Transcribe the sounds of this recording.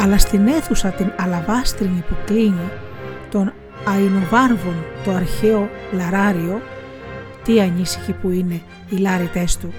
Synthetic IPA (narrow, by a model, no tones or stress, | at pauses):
ɐlɐst̪ine̞θusɐt̪inɐlɐvɐst̪ɾiɲipukɾiɲit̪o̞n | ɐinovɐɾvo̞nt̪o̞ɐɾçeo̞lɐɾɐɾio̞ | t̪iɐɲisi̥çipuine̞ | ilɐɾit̪e̞st̪u